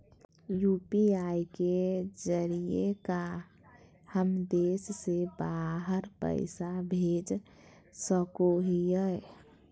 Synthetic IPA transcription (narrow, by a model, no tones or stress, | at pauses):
jupiaiked͡ʒəɾieka | həmd̪esːebaɦəɾpə̰ɪsabʱed͡ʒ | səkoɦijəj